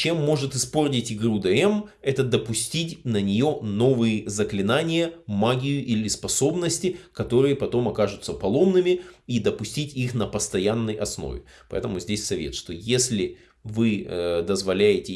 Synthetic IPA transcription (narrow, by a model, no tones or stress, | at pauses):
t͡ɕe̞mːo̞ʐɨt̪ɨspo̞rtʲɪtʲɪɡɾud̪ɛɛmɛt̪əd̪əpʊsʲtʲitʲnənʲɪjo̞no̞vɨjɪzəklʲɪnanʲɪjəmaɡʲɪjʊʔilʲɪspɐso̞bnəsʲtʲɪkɐt̪o̞ɾɨjəpɐt̪o̞mɐkaʐʊt̪səpɐlˠo̞mnɨmʲɪid̪əpʊsʲtʲitʲixnəpəst̪ɐjanːəjʔɐsno̰vʲɪ̰ | pɐ̰ɛ̰t̪əmʊzʲdʲesʲsɐvʲḛt̪ʂt̪o̞jesʲlʲɪ | vɨd̪əzvɐlʲæjɪtʲɪ